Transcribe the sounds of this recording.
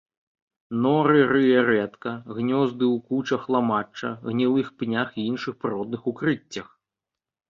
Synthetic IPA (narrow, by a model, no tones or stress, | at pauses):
nɔɾɨɾɨjɛɾɛt̪kɐɣnʲɔzd̪ɨwkut͡ʂɐxlˠamat͡ʂːɐ̰ɣnʲilˠɨxpnʲaxiinʂɨxpɾɾɔd̪nɨxukɾɨt͡sʲːɐx